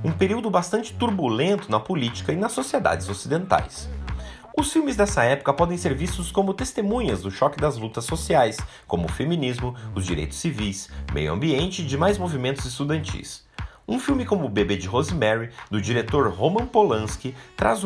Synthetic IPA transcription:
ũpeɾiwd̪ʊbast̪ɐ̃nt͡ʃɪ̥t̪uɾbulẽnt̪ʊnɐpolit͡ʃi̥kɐɪnɐsːosied̪a̰d͡ʒɪzosid̪ẽnt̪a̰js | ʊsfiwmɪzd̪ɛsɐɛpʊ̥kɐpɔd̪ẽj̃seɾvist̪ʊskõmʊt̪est̪emũɲɐzd̪ʊʃɔkɪd̪ɐzlut̪ɐsːosiajs | kõmʊfemĩnizmʊʊzd͡ʒiɾḛjt̪ʊ̥sːivijsmʔḛjʊɐ̰̃mbiẽnt͡ʃɪd͡ʒɪmajzmovimẽnt̪ʊzɪst̪ud̪ɐ̃nt͡ʃḭs | ũfiwmɪkõmʊːbebed͡ʒɪɦozimɛɾid̪ʊd͡ʒiɾet̪oɾhomɐ̃polɐ̃skɪt̪ɾa̰z

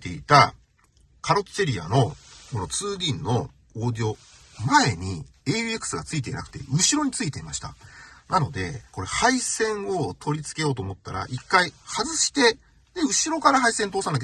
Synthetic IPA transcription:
t̪e̞̰it̪a̰ | kʰaɾo̞t͡seɾʲia̰no̞kono̞t͡sɨːɡʲĩnːo̞ | oːd̪io̞ | mae̞ɲ̟ieɯekːɯ̟̥sɨɡat͡sɨit̪e̞ḭna̰kɯ̟̥t̪e̞̰ɯ̟ɕiɾo̞ɲ̟it͡sɨit̪e̞imaɕi̥t̪a̰nano̞d̪e̞̰ko̞ɾe̞haisẽ̞ɰ̃o̞t̪ʰo̞ɾʲit͡sɨ̥ke̞jo̞ːt̪oːmot̪ːaɾa̰ʔikːaihazɨɕi̥t̪e̞ | d̪̥e̞ɯ̟ɕiɾo̞kaɾaɦaisẽ̞nt̪o̞ːsãnːak

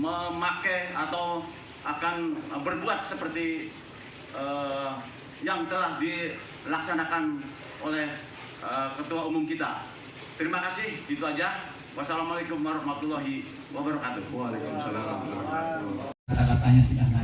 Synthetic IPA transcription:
məmakɛat̪aw | akanbərbuat̪̚səpərt̪i | ə | jaŋt̪əlahdi | laksanakan | olɛh | əkət̪uaumʊmkit̪a̰ | t̪əɾimakasɪhɡit̪uad͡ʒah | wasalamalekʊmwaɾɑhmat̪ulːaɦi | wabaɾakat̪uwalekumsalamkaat̪akat̪aɲasudana

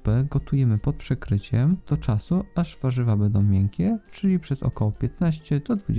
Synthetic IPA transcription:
pɛɡɔt̪ujɛmɘpɔt̪̚pʂɛkɾɘt͡ɕɛmd̪̥ɔt͡ʂasuaʐv̥aʐɘvabɛnd̪ɔ̃w̃mʲjɛŋkʲɛt͡ʂɘlʲipʂɛzɔ̰kɔwɔpʲjɛt̪naɕt͡ɕɛd̪̥ɔd̪vud͡ʑ

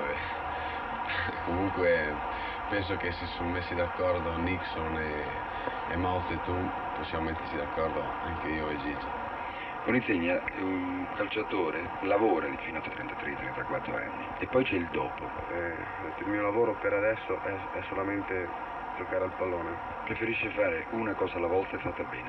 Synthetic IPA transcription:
ɛ | komuŋkwe | pɛnsokesesːummesːid̪akːɔɾd̪oniksoneː | mawt̪et̪um | posːjamomet̪ːeɾsid̪akːɔɾd̪o | aŋkeioezid͡ʒi | uninseɲːauŋkalt͡ʃat̪oːɾe | lavoːɾad̪ifinat̪ːat̪ːɾɛnt̪at̪ɾet̪ːɾɛnt̪akwat̪ːɾo̰a̰nːiepːɔjt͡ʃɛild̪ɔːpo | ɛ | t̪ilmiːolavoːɾopeɾad̪ɛsːoʔɛ | ɛsːolament̪e | d͡ʒokaːɾalpalːoːne | pɾefeɾiʃːefaːɾeʔunakɔːsalːavɔlt̪aefːat̪ːabɛ̰ːne

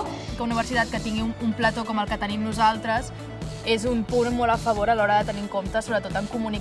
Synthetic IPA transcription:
kəuniβ̞əɾsit̪at̪̚kət̪iŋɡiumplət̪okɔməlˠkət̪ənimnuzalˠt̪ɾəz | ezumpunmɔləfəβ̞oɾəlɔɾəðət̪əniŋkomt̪əsoβɾət̪ot̪əŋkumuni

